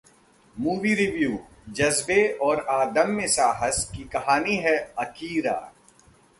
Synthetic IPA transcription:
muːʋiɾɪʋjuː | d͡ʒɐzbeɔːɾaːd̪əmːẽsaːɦəskikɐɦaːniɦɛɐkiːɾa̰ː

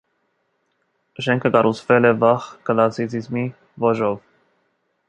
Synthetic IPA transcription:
ʃɛŋkʰəkɑɾʔut͡sʰvɛlɛvɑχkəlɑsit͡sʰizmi | vɔʒɔv

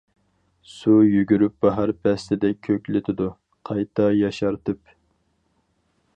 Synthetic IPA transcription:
sujyɡʲyɾyp̚bɑɦɑɾpʰɛst̪ɪd̪ɛkʲʰøkʲlɪt̪ʰɪd̪u | qʰɑjt̪ʰɑjɑʃɑɾt̪ɨp

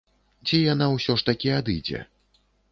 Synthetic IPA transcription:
t͡sʲijanawsʲɔʂt̪akʲiad̪ɨd͡zʲɛ̰

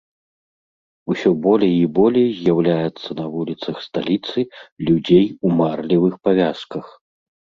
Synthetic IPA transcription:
usʲɔbɔlʲɛjibɔlʲejzʲjawlʲajɛt̪sːɐnɐvulʲit̪sɐxst̪alʲit̪sɨlʲud͡zʲejumarlʲivɨxpavʲaskɐx

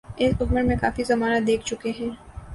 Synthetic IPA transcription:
ɪsʊɡməɾmẽkaːfizɐmaːnəad̪eːkʰt͡ʃʊkeɦɛ̃ː

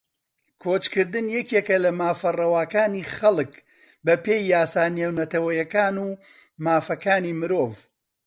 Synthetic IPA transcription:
kʰoːt͡ʃkɨɾd̪ɨnjɛkeːkɐlɐmaːfɐrɐwaːkaːniːχɐlˠɨk | bɐpeːjːaːsaːnewnɐt̪ɐwɐjɐkaːnuː | maːfɐkaːniːmɨɾoːv

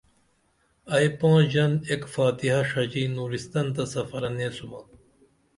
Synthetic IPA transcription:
ɐipõːd͡ʑɐnekfaːt̪iɦɐʂɐd͡ʑiːnuːɾist̪ɐnt̪ɐsɐfɐɾɐneːsumɐ

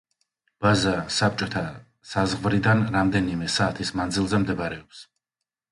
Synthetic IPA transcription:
b̥azasap̚t͡ʃʼɔt̪ʰa | sazʁvɾid̪anɾamd̪ɛnimɛsaːt̪ʰismand̪zilˠzɛmd̪ɛbaɾɛɔps

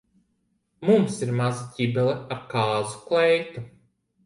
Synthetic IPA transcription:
mumsiɾmazaɟʲibɛlˠɛaɾkaːzu̥klɛjt̪u

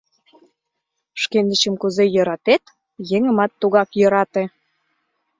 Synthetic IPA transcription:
ʃkend̪ə̆t͡ɕə̆mkuzejɤ̆ɾɑt̪et̪ | jeŋə̆mɑt̪ːuɣɑkjɤ̆ɾɑt̪ĕ

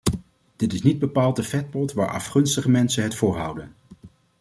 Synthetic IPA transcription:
d̥ɪtɪsnid̚bəpaːlˠtəfɛt̚pɔtʋa̰ːɹʔɑ̰fχɵnstəχəmɛnsənɦətfʊːɹɦʌ̰wdən

